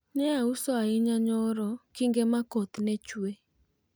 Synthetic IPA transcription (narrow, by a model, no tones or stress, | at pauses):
nɛausɔaɪɲaɲɔɾɔkɪŋɡemakot̪net͡ʃwe